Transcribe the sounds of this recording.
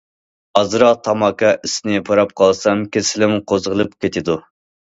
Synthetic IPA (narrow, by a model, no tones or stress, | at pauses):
ɑzɨɾɑqt̪ʰɑmɑːkɑʔisnɪpʰɑɾɑp̚qʰɑlˠsɑmkʲʰesɪlɪmqʰozʁəlˠɨpkʲʰet̪ʰɪd̪u